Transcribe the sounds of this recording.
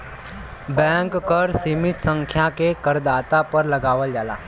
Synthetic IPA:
bɛ̃ŋkːəɾsimit̪səŋkʰjakekəɾd̪at̪apəɾləɡaʋəld͡ʒala̰

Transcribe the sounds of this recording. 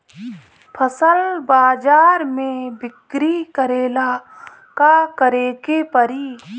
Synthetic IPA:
pʰəsəlbaːd͡ʒaːɾmẽbɪkɾikəɾeːlaː | kakəɾeːɡepəɾiː

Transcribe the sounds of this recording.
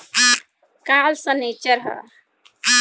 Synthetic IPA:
kalsə̃net͡ʃəɾɦə̰

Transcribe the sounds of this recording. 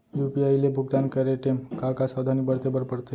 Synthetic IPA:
jupiajlebʱuɡ̚d̪ankəɾeʈemkakasad̪ʱanibəɾt̪ebəɾpəɽt̪e

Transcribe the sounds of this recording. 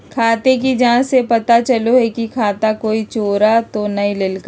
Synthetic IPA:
kʰaːt̪ek̬id͡ʒaãsepɐt̪at͡ʃɐloɦɛkikʰaːt̪akoːit͡ʃoːɾat̪onɐɦĩlɪlk

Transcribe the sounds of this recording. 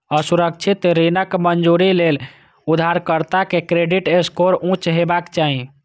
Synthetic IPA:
əsuɾək̚t͡ʃʰit̪ɾinəkmənd͡ʒuɾilel | ud̪ʱaɾkəɾt̪akekɾeɖiʈeskoɾũt͡ʃɦebakt͡ʃaɦi

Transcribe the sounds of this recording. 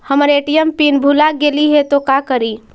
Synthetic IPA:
həməɾeʈijəmpinbʱulaɡeliɦet̪okakəɾi

